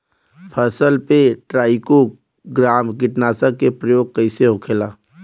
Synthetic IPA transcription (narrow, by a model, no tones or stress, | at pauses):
pʰəsəlpeʈɾaːɪko | ɡɾaːmkɪʈnaːsakepɾəjoːɡ̚kəɪseɦʊkʰelaː